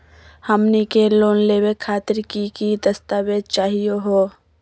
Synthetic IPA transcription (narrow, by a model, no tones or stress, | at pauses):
həmnikeloːnleːwekʰːaːt̪ɪɾkikid̪ɐst̪aːwed̪t͡ʃaːɦijoɦoː